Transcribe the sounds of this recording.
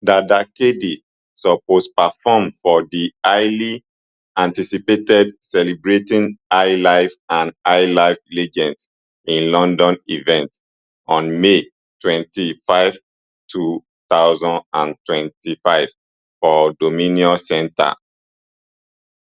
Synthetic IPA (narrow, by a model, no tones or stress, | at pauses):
dadakedi | sɔpospafɔmfɔdiaɪli | ãntisipetɛdsɛlibɹetĩnaɪlaɪfãnaɪlaɪflɛd͡ʒɛ̃nds | ĩnlɔ̃ndɔ̃nivɛ̃nt | ɔ̃nme | twɛ̃ntifaɪv̥ | tʰu | t̪aʊzɔ̃ndã̰ntwɛ̃ntifaɪv̥ | fɔdomĩniɔsɛ̃nta̰